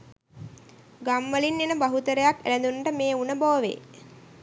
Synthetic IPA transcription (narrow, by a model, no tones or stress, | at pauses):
ɡamʋəlinːenəbaɦut̪əɾəjakːæ̰læd̪unʈəmeːunəboːʋḛː